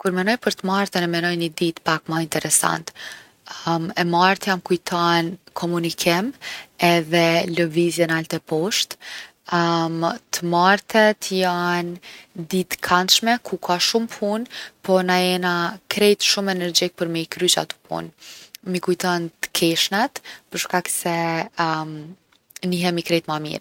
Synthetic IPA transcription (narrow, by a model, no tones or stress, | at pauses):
kuɾmɛnɔjpəɾt̪əmaɾt̪ɛnɛmɛnɔjnid̪it̪pakmaint̪ɛɾɛsa̰nt̪ | ɛmaɾt̪jamkujt̪ʰɔnkʰɔmunikʰimɛðɛləvizjɛnalt̪ɛpɔʃt̪ | mt̪əmaɾt̪ɛt̪əjand̪it̪kʰant̪ʃmɛkʰukʰaʃumpʰunpɔnaɛnakɾɛjt̪ʃumɛnɛɾd͡ʑik̚pəɾmikɾyt͡ʃa̰t̪u̥pʰṵnmikujt̪ɔnt̪ə̥kʰɛʃnat̪pəɾʃkaksɛ | m | niɦɛmikɾɛjt̪mamḭɾ